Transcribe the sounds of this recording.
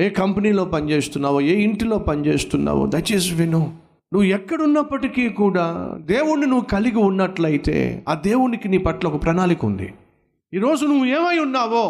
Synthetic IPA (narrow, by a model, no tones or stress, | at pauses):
eːkɐmpɐniːlo̞ːpɐnit͡ʃe̞ːst̪unːaːwoeːiɳʈilo̞ːpɐnit͡ʃe̞ːst̪unːa̰ːʋo̰d̪ɐʈisʋino | nuʋːuɛkːɐɽunːɐpːɐʈikiːkuːɽaːd̪eːwuɳːinuʋːukɐliɡiunːɐʈlɐjit̪e̞̰ːa̰ːd̪e̞ːwunikiniːpɐʈːlɐɔkɐpɾɐnaːlikṵnd̪ḭ | iːɾo̞ːd͡ʒunuʋːue̞ːmɐjunːaːʋoː